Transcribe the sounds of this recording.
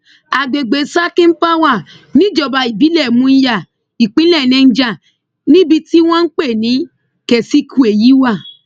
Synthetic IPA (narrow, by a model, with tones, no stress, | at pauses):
a˨ɡ͡be˨ɡ͡be˨˦sa˦kĩ˦n̩˦pa˦wa˦˨ | nĩ˨˦d͡ʒɔ˨ba˨i˨bi˨˦lɛ˦˨mũ˧˦ja˦˨ | i˨k͡pĩ˨˦lɛ˦˨nɛ̃˧n̩˦d͡ʒa˦˨ | nĩ˦bi˧ti˦w̃ɔ̃˦n̩˦k͡pe˦˨nĩ˨˦ | kɛ˨si˦kʰũ˧e˨ji˨˦wa˦˨